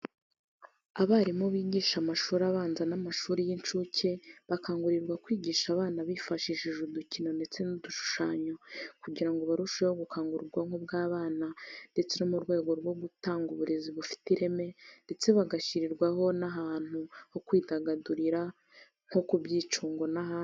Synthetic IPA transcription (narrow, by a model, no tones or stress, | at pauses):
aβaɾimoβiːɟiːʃamaʃuːɾaβaːnzanamaʃuːɾijint͡ʃucʰe̞βakaːŋɡuɾiɾɡwakwiːɟiːʃaβaːnaβifaʃiʃiʒuducino̞nde̞t͡se̞nuduʃu̥ʃaːɲokuɟiɾaŋɡoβaɾuʃehoɡukʰaːŋɡuɾuɾɡwaŋhobɡaːβaːnande̞t͡senomuɾɡwe̞ːɡo̞ɾɡwo̞ɡutaːŋɡuβuɾeziβufi̥tiɾe̞me̞nde̞t͡se̞βaɡaʃiɾiɾɡwaɦo̞naɦaːn̥huho̞kwiːdaɡaduɾiɾa | ŋ̥ho̞kubɟiːt͡ʃuːŋɡo̞nahaːn